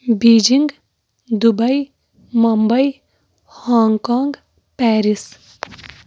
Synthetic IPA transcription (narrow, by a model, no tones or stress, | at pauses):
biːd͡ʒɪŋɡ | d̪ʊbɐi | mɐmbɐi | haːŋɡkaːŋɡ | pɛːɾɪs